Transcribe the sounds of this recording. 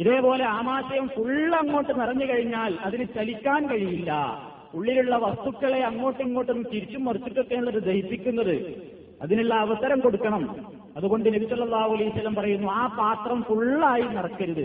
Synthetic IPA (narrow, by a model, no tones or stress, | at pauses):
iðe̞ːpo̞ːle̞aːmaːɕɐjɐmfuɭɐŋːo̞ːʈːɨnirɐɲːɨkɐɻiɲːaːlɐðinɨt͡ɕɐlikʲːaːnkɐɻijilːɐ̰ | puɭːiluɭːɐʋɐst̪ukːɐɭe̞ɐŋːo̞ːʈːiŋːo̞ːʈːɐnːkiɾit͡ɕːumːɐrit͡ɕːuʈːokːenɐɭːɐðɨd̪ɐhip̪ːikʲːunːɐðɨ | ɐ̰ðinuɭːɐːʋɐsɐɾɐmko̞ɽukːɐɳɐm | ɐðuɣo̞ɳɖɨnɐbisɐlːɐlːaːhuɐlɐjusːɐlːɐmpɐrɐjunːuaːpaːt̪rɐmfuɭaːjinɐrɐkːɐɾuðɨ